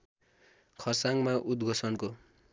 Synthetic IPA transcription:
kʰʌrsaŋmaʔud̪ɡʱʌsʌnko

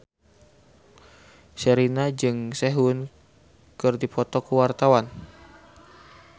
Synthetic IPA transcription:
səɾinad͡ʒɨŋsɛɦun | kɨrdipɔt̪ɔkuwart̪awan

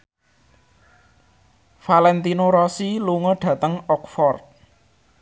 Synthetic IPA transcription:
falɛnt̪inoɾɔsiluŋɔɖ̥ä̤t̪əŋɔk̚fɔrt̪̚

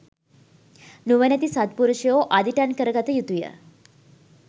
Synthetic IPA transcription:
nuʋənæt̪isat̪̚puɾuʃəjoːʔad̪ʱiʈankəɾəɡat̪əjut̪ujə̰

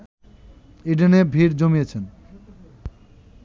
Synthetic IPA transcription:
iɖenebʱiɾd͡ʑomijet͡ɕʰen

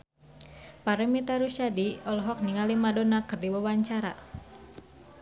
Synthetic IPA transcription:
paɾɛmit̪aɾuʃadiɔlɦɔk̚niŋalimadonakɨrdibawaɲt͡ʃaɾa̰

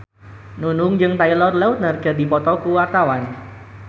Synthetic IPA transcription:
nunʊŋd͡ʒɨŋt̪ailɔrlɛut̪̚nərɡ̥ədipɔt̪ɔkuwart̪awan

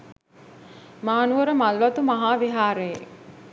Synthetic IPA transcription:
maːnuʋəɾəmalʋɐt̪umaɦaːʋiɦaːɾeje

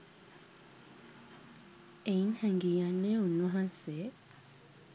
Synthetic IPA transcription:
einhɛŋɡijanːeunːuɦãnse

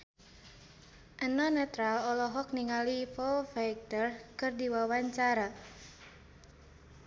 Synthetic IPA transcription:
ʔənɔnɛt̪ɾalɔlɔɦɔk̚niŋalifɔfajk̚t̪ərkɨrdiwawaɲt͡ʃaɾa

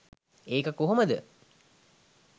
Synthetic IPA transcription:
eːkəkuɦuməd̪ə

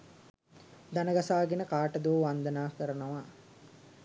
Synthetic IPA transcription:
d̪anəɡasaːɡenəkaːʈəd̪uʋʋand̪ənaːkəɾənəʋa

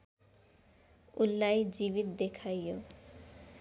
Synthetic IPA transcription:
ulːajd͡ʑibit̪̚d̪ekʰajo

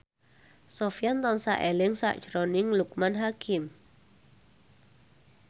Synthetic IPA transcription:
sofiant̪ɔnsa̰ʔelɪŋsa̰ʔd̥ʒ̥ɾɔnɪŋluk̚manɦakʰɪm

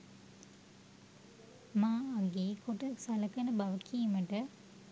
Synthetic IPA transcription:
maːɐɡeːkuʈɐsɐlɐkɐnɐbɐʋɐkʰijmɐʈə

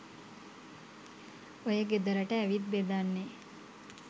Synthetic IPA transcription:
ojəɡed̪əɾəʈəæʋit̪̚bed̪anːe

